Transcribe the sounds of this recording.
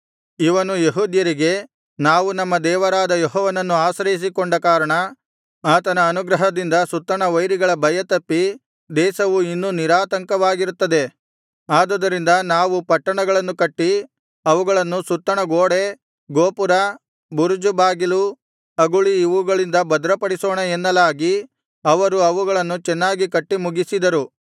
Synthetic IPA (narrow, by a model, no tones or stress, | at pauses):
iʋɐnujeɦuːd̪jɐɾiɡe̞ | naːʋunɐmːɐd̪ɛːʋɐɾaːd̪ɐjɔɦɔːʋɐnɐnːuaːsɾɐjis̬ikoɳɖɐkaːɾɐɳɐ | aːt̪ɐnɐːnuɡɾɐɦɐd̪ind̪ɐsut̪ːɐɳɐʋɐjɾiɡɐɭɐbʱɐjɐt̪ɐpːi | d̪ɛːsɐʋuinːuniɾaːt̪ɐŋkɐʋaːɡiɾut̪ːɐd̪e̞ | aːd̪ɐd̪ɐɾind̪ɐnaːʋupɐʈːɐɳɐɡɐɭɐnːukɐʈːi | ɐʋuɡɐɭɐnːusut̪ːɐɳɐɡoːɽe̞ | ɡoːpuɾɐ | buɾud͡ʒubaːɡilu | ɐɡuɭiːʋuɡɐɭind̪ɐbɐd̪ɾɐpɐɽisoːɳɐenːɐlaːɡi | ɐʋɐɾuɐʋuɡɐɭɐnːut͡ʃɛnːaːɡikɐʈːimuɡisid̪ɐɾu